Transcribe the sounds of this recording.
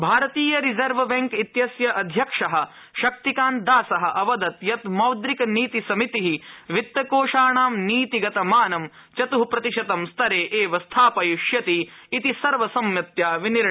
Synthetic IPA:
bʱaːɾɐt̪iːjɐɾizɐɾʋʋɐŋkit̪jɐsjɐʔɐd̪ʱjɐkʂɐɦɐ̆ | ʃɐk̚t̪ikaːnd̪aːsɐɦɐ̆ʔɐʋɐd̪ɐt̪jɐt̪mɐwd̪ɾikɐniːt̪isɐmit̪iɦiʋit̪ːɐkoːʂaːɳaːmniːt̪iɡɐt̪ɐmaːnɐm | t͡ʃɐt̪uɦpɾɐt̪iʃɐt̪ɐmst̪ʰɐɾeːʔeːʋɐst̪ʰaːpɐjuʃjɐt̪iːt̪isɐɾʋɐsɐmjɐt̪jaːʋiniɾ

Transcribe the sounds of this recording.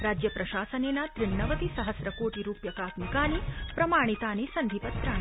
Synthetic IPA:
ɾaːd͡ʒjɐpɾɐʃaːsɐneːnat̪ɾɪɳːɐʋɐt̪isɐɦəsɾɐkoːʈiɾuːpjɐkaːt̪mikaːnipɾɐmaːɽ̃it̪aːnisɐnd̪ʱipɐt̪ːɾaː

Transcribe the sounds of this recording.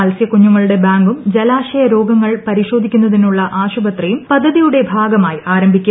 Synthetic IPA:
ɐlsjɐkuɲːuŋːɐɭuɽe̞baːŋɡumd͡ʑelaːɕɐjɐɾo̞ːɡɐŋːɐɭpɐɾiɕo̞ːd̪ʱikʲːunːɐðinuɭːɐʔaːɕubɐt̪rijumpɐd̪ʱːɐðijuɽe̞bʱaːɡɐmaːjaːɾɐmbʱikʲːu

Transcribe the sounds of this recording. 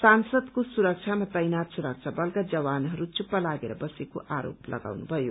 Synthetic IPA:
sansʌd̪kosuɾʌk̚t͡ʃʰamat̪ʌjnat̪suɾʌk̚t͡ʃʰabʌlkad͡zʌwanɦʌɾut͡ʃupːalaɡeɾʌbʌsekoʔaɾo̰plʌ̰ɡa̰wnubʱʌjo

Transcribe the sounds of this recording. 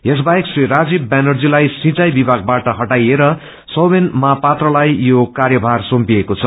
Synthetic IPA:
jes̬baekseɾad͡zibbanʌrd͡zilajsĩt͡sajbibʱaɡ̚baʈʌɦʌʈajeɾʌ | sʌwbenmapat̪rʌlajjokarjʌbʱarsompiekot͡sʰʌ

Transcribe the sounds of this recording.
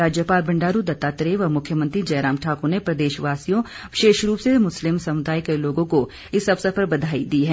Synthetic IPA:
ɾaːd͡ʒjəpaːlbɐ̃ɳɖaːɾud̪ɐt̪ːaːt̪ɾeʋɐmʊkʰjəmə̃nt̪ɾid͡ʒɐːɾãːmʈʰaːkonepɾɐd̪eːʃʋaːsijõ | ʋɪʃeːʃɾuːpsemʊslɪmsɐmʊd̪aːjkeloːɡõko | ɪsɐbsɐfʰəɾbɐd̪ʱaːid̪iːɦɛ̃ː

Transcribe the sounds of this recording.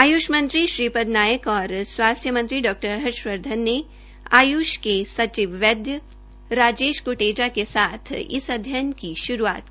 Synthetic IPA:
aːjuːʃmɐ̃nt̪ɾiʃɾiːpəd̪naːjəkɔːɾswaːst̪ʰjəmɐ̃nt̪ɾiɖɔːk̚ʈəɾɦəɾʃwəɾd̪ʱənːe | aːjuːʃkesɐt͡ʃɪʋʋɛd̪jə | ɾaːd͡ʒeːʃkoʈeːd͡ʒakesaːt̪ʰɪ̰sɐd̪ʱjənkiʃʊɾua̰ːt̪̚kiiː

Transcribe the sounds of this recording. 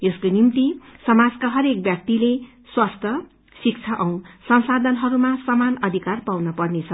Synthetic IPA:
eskonimt̪isʌmad͡zkaɦʌɾek̚bjak̚t̪ile | swast̪ʰʌ | sik̚t͡sʰaʔʌw̃sʌñsad̪ʱʌnɦʌɾumasʌmanʌd̪ʱikarpawnʌpʌrnet͡sʰʌ

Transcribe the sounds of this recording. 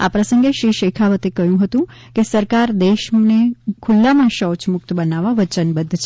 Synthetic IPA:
a̰pɾəsə̃ŋɡeʃɾiʃekʰaʋət̪ekəɦjũɦət̪ũ | kesəɾkaɾd̪eʃnekʰʊlːamãʃəwt͡ʃmʊk̚t̪bənaʋaʋət͡ʃənbəd̪ʱːt͡ʃʰe

